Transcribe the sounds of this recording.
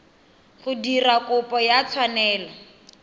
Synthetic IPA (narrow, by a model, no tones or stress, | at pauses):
ɣʊdirakʼʊpʼɔjat͡sʰwanɛːlɔ